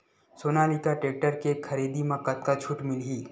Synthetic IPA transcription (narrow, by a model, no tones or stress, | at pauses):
soːnalikaʈeːk̚ʈəɾkekʰɐɾiːd̪imɐ̃kɐt̪̚kat͡ʃʰuʈmɪlɦiː